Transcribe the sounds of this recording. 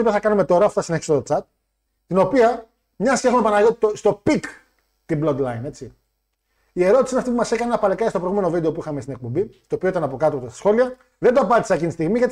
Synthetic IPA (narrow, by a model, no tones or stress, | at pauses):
opiθɐkɐnume̞t̪o̞ɾɐːpfo̥ɐsineçist̪o̞t͡sɐt̪̚ | t̪ino̞piɐ | mɲɐscexumepɐnɐʝot̪ost̪o̞pik | t̪ibloɡ̪lɐine̞t͡si | ie̞ɾo̞t̪isiinɐft̪ipumɐse̞kɐnenɐpɐlekɐest̪opɾojɣume̞novid̪e̞o̞puixɐmest̪inek̚po̞mbist̪o̞pio̞it̪ɐnɐpo̞kɐt̪opost̪ɐ̥sxo̞liɐ | ðe̞nd̪oɐpɐt̪i̥sɐcinist̪iɣmiʝet̪